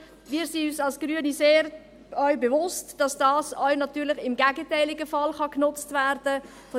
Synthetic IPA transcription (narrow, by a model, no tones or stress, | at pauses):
miːɾsinyːsɑlsɡ̥ɾyəniseːɾ | œʏbevʊstd̥ɑsd̥ɑːsœɥnɑtyːɾlɪχɪmɡæɡətɛɪlɪɡəfɑlχɑknʊt͡stvæɾd̥ə | fo